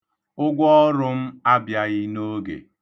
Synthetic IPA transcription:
ʊ˦ɡʷɔ˦ɾʊ˦m̩˦a˦bja˦ɣɪ˦no˦ɡḛ˨

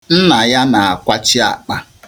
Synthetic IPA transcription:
n̩˦na˨ja˦na˨a˨kʷa˦t͡ʃi˦a̰˨k͡pa˦

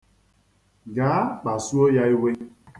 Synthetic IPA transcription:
ɡaː˨˦k͡pa˨su˦o˦ja˦i˦we˦

